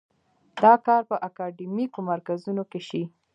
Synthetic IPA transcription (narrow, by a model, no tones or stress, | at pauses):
d̪̥ɑkɑɾpəʔakɑɖimikomaɾkazunokeʃi